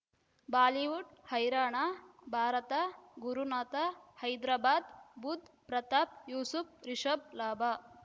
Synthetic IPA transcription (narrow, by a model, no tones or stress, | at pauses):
baːliʋuʈhɐjɾaːɳabʱaːɾɐt̪aɡuɾunaːt̪ahɐjd̪ɾaːbaːd̪bud̪ʱpɾɐt̪aːp̚juːsup̚ɾiʂɐblaːba